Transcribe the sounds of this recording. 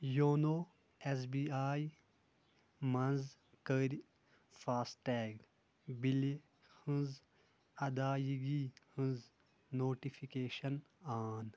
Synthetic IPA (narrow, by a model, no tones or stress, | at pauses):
joːnoː | esbiːaːj | mɐnz | kəɾ | faːsʈeːɡ | bile | hɨ̃z | ɐd̪aːjiɡiːhɨ̃z | noːʈifʰikeːʃɐn | aːn